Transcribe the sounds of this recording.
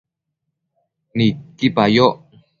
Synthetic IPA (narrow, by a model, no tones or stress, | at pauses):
nikipajoʔ